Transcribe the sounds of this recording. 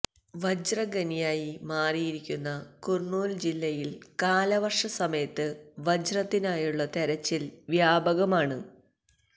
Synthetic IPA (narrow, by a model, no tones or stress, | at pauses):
ʋɐd͡ʑrɐɡɐnijaːjimaːrijiɾikʲːunːɐkurɳoːld͡ʑilːɐjilkaːlɐʋɐrʂɐsɐmɐjɐt̪ːɨʋɐd͡ʑrɐt̪ːinaːjuɭːɐt̪ɐɾɐt͡ɕːilʋjaːbɐɣɐmaːɳɨ